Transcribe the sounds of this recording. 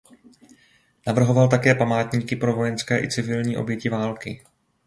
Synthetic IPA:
navr̩ɦo̞valt̪akɛːpamaːt̪ɲiːkɪpɾo̞vo̞jɛnskɛːʔɪ̰t͡sɪvɪlɲiːʔo̞̰bjɛcɪvaːlkɪ

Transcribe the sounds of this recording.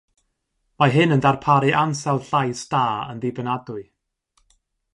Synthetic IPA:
maɦɨnəndarpʰaɾɨʔansɛlˠɬajsd̥aːə̰nðɪbənadʊɨ

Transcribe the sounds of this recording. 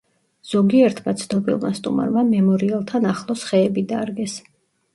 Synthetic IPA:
z̥ɔɡiɛɾt̪ʰmat̪sʰnɔbḭlˠma̰st̪ʼṵma̰ɾmamɛmɔɾialˠt̪ʰanaχlˠɔsχɛːbid̪aɾɡɛs

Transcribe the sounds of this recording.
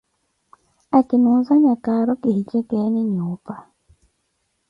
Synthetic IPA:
akɪnuzaɲakaɾɔkehit͡ʃɛkɛnɪɲupa

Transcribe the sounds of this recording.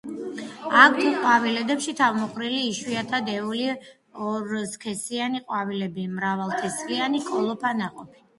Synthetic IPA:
ak̚ʰt̪ʰuqʼwavilɛd̪ɛpʃit̪ʰavmɔqʼɾiliːʃwiat̪ʰad̪ɛuli | ɔɾskʰɛsianiqʼwavilɛbimɾavalˠt̪ʰɛsχʼianikʼɔlˠɔpʰanaqʼɔpʰi̥

